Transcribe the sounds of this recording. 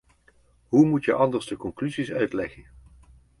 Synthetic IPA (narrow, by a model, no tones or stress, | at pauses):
ɦumutjəʔɑndəɹsdəkɔŋklyzisœɥtlɛχən